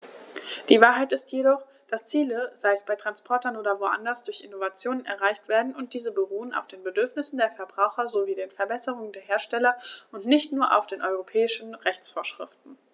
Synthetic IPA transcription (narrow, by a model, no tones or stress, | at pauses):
d̥iːvaːɐɦaɪtɪstjedɔχ | d̥ast͡siːləz̥aɪəsb̥aɪtʁ̥anspʰɔɐtɐnoːdɐvoʔa̰ndɐsd̥ʊɐçʔɪnovat͡sjoːnənɛ̰ɐʁaɪçtv̥eːɐdn̩ʊnt̚d̥iːzəbəʁuːəna̰ʊfd̥eːnbədʏɐfnɪsn̩deːɐfɛɐbʁaʊxɐzoviːdeːnfɛɐbɛsəʁʊŋəndeːɐɦeːɐʃtɛlɐʔʊntnɪçtnuːɐʔa̰ʊfd̥eːnʔɔʏʁ̞opʰɛːɪʃn̩ʁɛçt͡sfoːɐʃʁ̥ɪftn̩